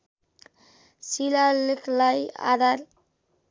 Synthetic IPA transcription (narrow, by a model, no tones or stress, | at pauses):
silalɪklaja̰d̪aɾ